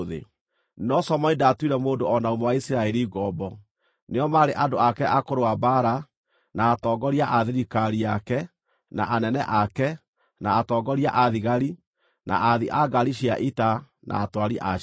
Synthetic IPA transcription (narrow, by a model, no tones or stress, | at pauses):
ðḛ | nɔsɔmɔidatwiɾɛmoːdoɔnaomɔwaisiɾaɛɾiɡɔbɔ | neɔmaɾeʔadoakɛʔakoɾowabaɾa | naːtɔɡɔɾiaʔaðeɾikaɾiakɛ | naʔanɛnɛʔakɛ | naːtɔɡɔɾiaʔaðiɣaɾi | nʔa̰ʔaðiʔaɡaɾiʃiaʔita | nʔa̰ːtwaɾiʔa